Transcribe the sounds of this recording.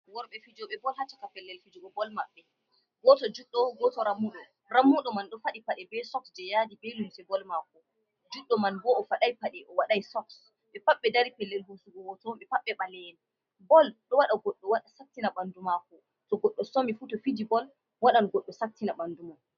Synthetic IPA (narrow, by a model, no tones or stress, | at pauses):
wɔɾɓɛfid͡ʒɔɓɛbɔlhat͡ʃːakapɛlːɛlfid͡ʒɔɓɛbɔlmaɓːɛ | ɡɔtɔd͡ʒuɗːɔɡɔtɔɾamːuɗɔ | ɾamːuɗɔmanɗɔfaɗipaɗɛbɛsɔksd͡ʒɛjadibelunsɛbɔlmakɔ | d͡ʒuɗːɔmanbɔːfaɗajpaɗɛʔɔwaɗajsɔks | ɓɛpaɓːɛdaɾipɛlːɛlhusuɡɔwɔtɔɓɛpaɓːɛɓalɛn | bɔlɗɔwaɗaɡɔɗːɔwaɗasak̚tinaɓandumakɔ | tɔɡɔɗːɔsɔmifutɔfidibɔl | waɗanɡɔɗːɔsak̚tinaɓanduman